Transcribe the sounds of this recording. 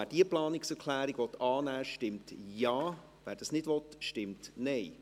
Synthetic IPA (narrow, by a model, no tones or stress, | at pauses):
æːd̥iəplɑːnɪksɛɾkʰlæːɾiɡʋɔtɑːnæːʃtɪmtjɑː | ʋæːɾd̥ɑsnɪdʋɔtʃtɪmtnɛɪ